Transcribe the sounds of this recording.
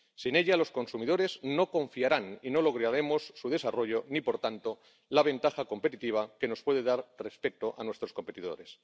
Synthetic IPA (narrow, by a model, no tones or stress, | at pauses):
sine̞ʎalo̞sko̞nsumiðo̞ɾe̞zno̞ko̞ɱfiaɾanino̞lo̞ɣ̞ɾaɾe̞mo̞sːuðe̞saro̞ʝo̞nipo̞ɾt̪ant̪o̞ | laβẽ̞nt̪axako̞mpe̞t̪it̪iβ̞ake̞no̞spwe̞ðe̞ðaɾre̞spe̞t̪oʔanwe̞st̪ɾo̞sko̞mpet̪iðo̞̰ɾe̞s